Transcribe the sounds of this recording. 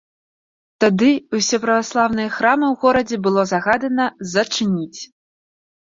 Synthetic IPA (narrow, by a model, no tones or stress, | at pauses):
t̪ad̪ɨusʲɛpɾɐvaslˠawnɨjɐxɾamɨwɣɔɾɐd͡zʲɛbɨlˠɔzaɣad̪ɐnɐzɐt͡ʂɨnʲit͡sʲ